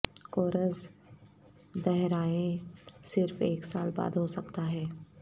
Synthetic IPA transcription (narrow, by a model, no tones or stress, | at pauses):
koːɾəz | d̪ɛɦɾaːẽsɪɾfeːksaːlba̰ːd̪ɦosɐkt̪aɦɛː